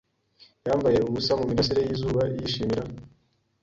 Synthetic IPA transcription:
jaːmbaje̞uβusamumiɾasiɾejiːzuːβajiʃiːmiɾa

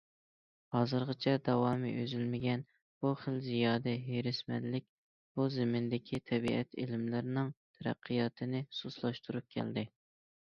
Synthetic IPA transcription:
hɑːzɨɾʁɨt͡ʃʰɛd̪ɑwɑːmḭʔøzylmɪɡʲɛn | b̥uχəlzijɑːd̪ɛɦeɾɪsmɛ̰nːɪk̚ʲ | b̥uzɪmɪnd̪ɪkʲʰit̪ʰɛbiɛt̪ʰɪ̰lɪmlɪɾɪnɪŋt̪ʰɛɾæ̰qʰːijɑt̪ʰɨnɪsuslˠɑʃt̪ʰuɾup̚kʲʰɛ̰ld̪ɪ

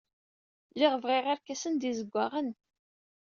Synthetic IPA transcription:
lɪʁəvʁɪʁaɾkæsənd̪izəɡʷːaʁən

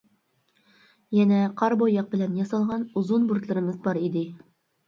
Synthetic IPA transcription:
jænæqʰɑɾbojːɑq̚bɘ̆lænjɑsɑlˠʁɑnuzunbuɾt̪lˠɤ̆ɾɤ̆mɤzbɑɾid̪ɪ

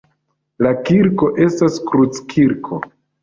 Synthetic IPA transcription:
lakiɾko̞ʔe̞staskɾut͡skʰiɾkʰo

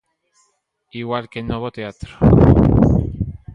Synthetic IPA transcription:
iɣwalkenoβot̪eat̪ɾo̥

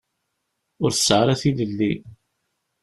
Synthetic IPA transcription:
ʊɾθə̥sːʕɾæθiləlːi

